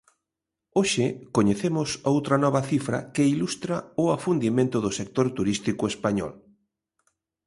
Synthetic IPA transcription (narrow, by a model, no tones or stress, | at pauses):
oʃɪkoɲeθemʊsowt̪ɾɐnɔβɐθifɾɐ̰kɪilust̪ɾaʊafund̪imẽnt̪ʊðʊsek̚t̪oɾt̪uɾist̪ikʊespaɲɔ̰l